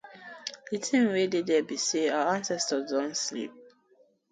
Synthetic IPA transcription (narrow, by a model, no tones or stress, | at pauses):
itʰĩnwededɛbiseaãnsɛstədɔ̃ntslḭp̚